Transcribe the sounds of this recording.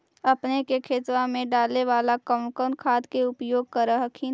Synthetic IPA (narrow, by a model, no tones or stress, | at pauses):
ɐpnekekʰeːt̪wamẽɖaːleʋaːlakəʊnkəːnkʰaːd̪keʊpjoːɡ̚kəɾəɦəkʰi